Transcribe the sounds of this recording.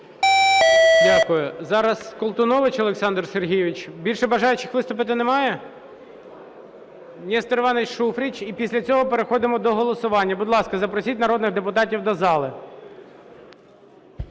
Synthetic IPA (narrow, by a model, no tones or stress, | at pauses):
dʲakʊjʊzɑɾɐskɔlˠt̪ʊnɔʋɪt͡ʃɔlˠeksɑnd̪rserɦʲijɪʋʲɪt͡ʃbʲilʲʃɛbɐʒɑjʊt͡ʃɪxʋɪst̪ʊpɪt̪̬ɪnemɑjɛ | nʲist̪eɾʋɑnɛtʲʃufɾʲit͡ʃipʲisʲlʲɐt͡sʲɔɦɔpeɾexɔd̪ɪmɔd̪ɔɦɔlˠɔsʊʋɑnʲːɐbʊd̪lˠɑskɐzɐpɾɔsʲitʲnɐɾɔd̪nɪɣd̪epʊt̪ɑtʲiwd̪ɐzɑlˠɪ